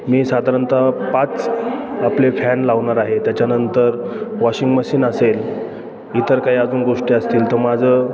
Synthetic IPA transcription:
miːsad̪ʱaɾənt̪apat͡saplefɛnlaʋɳaɾaɦet̪jat͡ɕjanənt̪əɾʋɔɕiŋɡməɕiːnasel | it̪əɾkaɦiad͡zuːnɡoʂʈiːəst̪iːlt̪əɾmad͡zʱəː

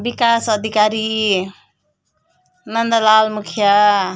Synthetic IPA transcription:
bikasʌd̪ʱikaɾi | nʌnd̪ʌlalmukʰja

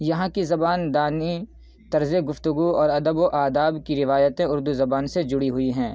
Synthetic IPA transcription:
jɐɦãkizɐbaːnd̪aːni | t̪ɐɾzeɡʊft̪ʊɡuɔːɾɐd̪əboʔaːd̪aːbkiɾɪʋaːjət̪ẽʊɾd̪uzɐbaːnsed͡ʒʊɽiɦʊiɦɛ̃ː

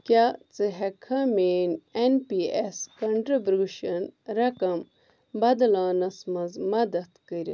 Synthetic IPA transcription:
kʲaːt͡sɨɦɐkʰɐmeːnenpieskɐɳʈɾɐbɾuʃɐnɾɐkɐm | bɐd̪ɐlaːnɐsmɐzmɐd̪ɐt̪kəɾʲ

